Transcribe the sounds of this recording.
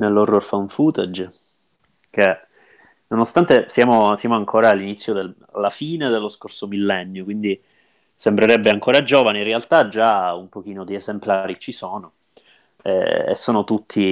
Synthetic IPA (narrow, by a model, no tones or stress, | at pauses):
nelːorːorfaɱfuːt̪ɛd͡ʒ | k̟e | nonost̪ant̪esjaːmosjaːmoaŋkʰoːɾaːlːinit̪sːjod̪e | a̰lːafiːned̪elːoskorsomilːɛnːjokwind̪i | sembɾeɾɛbːeaŋkoːɾad͡ʒoːvaninrːealt̪ad͡ʒːaumpok̟iːnod̪iezemplaːɾit͡ʃisoːno | ɛ̰ḛsːoːnot̪ut̪ʰːi